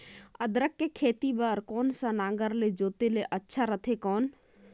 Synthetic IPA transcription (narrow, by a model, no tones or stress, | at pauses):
əd̪ɾəkːekʰeːt̪ibaːɾkɔːnsãnãːŋɡəɾled͡ʒoːt̪eleʔətːʃʰaɾət̪ʰekɔːn